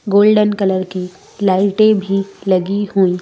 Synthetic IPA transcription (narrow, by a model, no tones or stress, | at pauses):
ɡoːlɖənkɐləɾki | laːɪʈẽbʱilɐɡihuiː